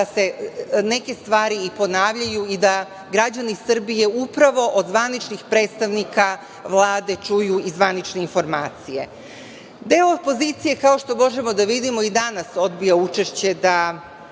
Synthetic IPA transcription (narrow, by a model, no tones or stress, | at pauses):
ase̞ne̞ke̞st̪ʋaːɾiipo̞naːʋʎajuid̪a | ɡɾad͡ʑanisr̩bije̞upɾaʋo̞ʔod̪zʋanit͡ʃnixpɾe̞ːt̪st̪aʋnika | ʋlˠaːd̪e̞t͡ʃujuizʋanit͡ʃne̞info̞ɾmaːt̪sije̞̰ | d̪e̞ːoopo̞zit̪sije̞kao̞ʃt̪omo̞ʒe̞mo̞d̪aʋid̪imo̞id̪anaso̞d̪bijaut͡ʃe̞ʃt͡ɕe̞d̪a